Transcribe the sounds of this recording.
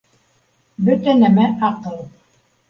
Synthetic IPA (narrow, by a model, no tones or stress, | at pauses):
bɵt̪ænæmæʔɑqɤlˠ